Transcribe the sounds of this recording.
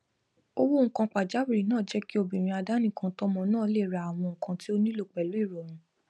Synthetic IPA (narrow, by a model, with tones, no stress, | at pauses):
o˦wo˦ŋ̩˦kã˧k͡pa˨d͡ʒa˨˦bi˨ɾi˨nãː˦˨d͡ʒɛ˦ki˦o˦˨bĩ˨ɾ̃ĩ˧a˧da˦nĩ˦˨kã˧tɔ˦mɔ̃˧nãː˦˨˦le˦˨ɾa˨a˨w̃ɔ̃˧ŋ̩˨kã˧ti˦o˦nĩ˦lo˦˧˨k͡pɛ˨lu˨˦i˦˨ɾɔ˨ɾ̃ũ˧˦